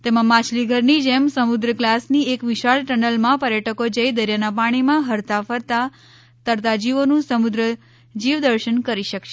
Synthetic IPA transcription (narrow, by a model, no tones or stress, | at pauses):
t̪emãmãt͡ʃʰliɡʱəɾnid͡ʒemsəmʊd̪ɾəklasniekʋɪʃaɭʈənəlmãpəɾjəʈəkod͡ʒəjd̪əɾjanapaɽ̃imãɦəɾt̪afəɾt̪a | t̪əɾt̪ad͡ʒiʋonũsəmʊd̪ɾə | d͡ʒiʋd̪əɾʃənkəɾiʃəkʃe